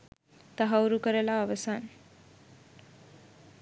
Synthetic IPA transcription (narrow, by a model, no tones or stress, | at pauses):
t̪aɦawɾukəɾəlaːʋəsan